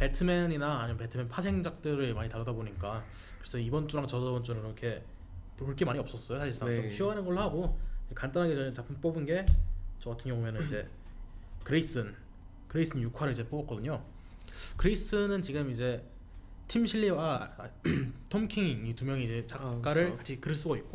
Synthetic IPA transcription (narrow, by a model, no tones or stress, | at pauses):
pe̞tʰɯmeninaːɲimepe̞tʰɯmenpʰasʰe̞ŋd͡ʑak̚t͈ɯɾɯɭmaɲitaɾʌdaboɲik͈a | kɯɾesʰʌibʌnt͡ɕ͈uɾaŋt͡ɕʌʌbʌnt͡ɕ͈uɾakiɾʌkʰe̞ | oɭk͈emaɲiʌp̚s͈ʌs͈ʌjosʰaɕʰiɭs͈aŋt͡ɕomɕʰiʌɦanɯnɡʌɭhaɡoid͡ʑekant͈anɦaɡet͡ɕʌt͡ɕapʰɯmp͈obɯnɡe̞t͡ɕʌɡatʰɯnŋjʌŋujʌnɯnid͡ʑe̞ | kɯɾeis͈ɯn | kɯɾeis͈ʰɯnjukʰwaɾɯɭid͡ʑe̞p͈obʌk͈ʌdɯɲo | kɯɾeis͈ʰɯnɯnt͡ɕiɡɯmid͡ʑe̞ | tʰimɕʰiɭːiwa | tʰomkʰiŋŋitumjʌŋiid͡ʑe̞t͡ɕak͈aɾɯɭkat͡ɕʰikɯɾɯɭs̬͈uɡaik̚k͈o